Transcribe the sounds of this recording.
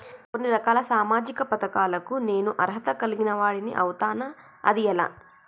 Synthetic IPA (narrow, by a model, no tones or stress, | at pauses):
ko̞nːiɾɐkaːlɐsaːmaːd͡ʒikɐpɐt̪ɐkaːlɐkune̞ːnuʔɐɾɦɐt̪ɐkɐliɡinɐʋaːɽinḭʔɐwut̪aːnɐ | ɐ̰d̪iɛla̰ː